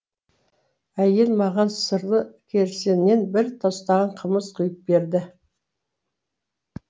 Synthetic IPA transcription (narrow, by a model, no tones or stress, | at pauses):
æje̞lmɑʁɑnsəɾd̪əkʲʰe̞ɾsenːe̞nbɪɾt̪ʰɑst̪ɑʁɑɴqʰəməzqʰʊjəp̚be̞ɾd̪ɪ